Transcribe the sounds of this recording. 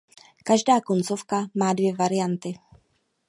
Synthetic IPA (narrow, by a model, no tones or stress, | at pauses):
kaʒdaːkont͡so̞fkamaːdvjɛvaɾɪjant̪ɪ